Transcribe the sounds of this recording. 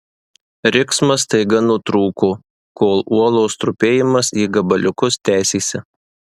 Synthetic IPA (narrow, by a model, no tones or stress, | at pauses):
ɾʲɪksmɐst̪ɐɪɡɐnʊt̪ɾuːkoː | koːlˠuɔlˠoːst̪ɾʊpʲeːjɪmɐsiːɡɐbɐlʲʊkʊst̪ʲæˑːsʲeːsʲɛ